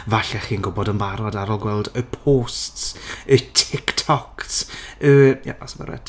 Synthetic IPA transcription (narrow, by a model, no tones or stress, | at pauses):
vaɬɛχiːnɡʊbɔdənvaɾɔdaɾɔlˠɡwɛlˠdəpʰoːstsətʰɪktʰɔksəja̰ʔɔsbə̰ɾwɛ̰d